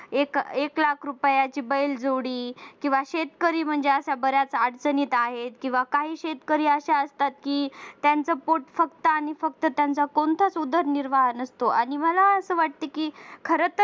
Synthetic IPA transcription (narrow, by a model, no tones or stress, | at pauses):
ekeklakʰɾupjat͡ɕiːbəjld͡zoɽiːkĩw̃ʋaɕet̪kəɾiːm̤əɳd͡zeəsjabəɾjat͡saɽt͡səniːt̪aɦet̪kĩw̃ʋakaɦiːɕet̪kəɾiːəɕaəst̪at̪̚kiːt̪jant͡səpoʈfəkt̪əañifəkt̪ət̪jant͡sakont̪ʰat͡sud̪ʱəɾniɾʋaɦnəst̪oʔaɽ̃iməlaəsəːʋaʈ̚t̪ekiːkʰəɾət̪ə